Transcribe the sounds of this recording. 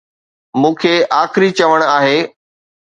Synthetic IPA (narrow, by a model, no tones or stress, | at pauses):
mũːkʰeʔaːxɪɾit͡ɕɐʋəɽ̃aːɦeː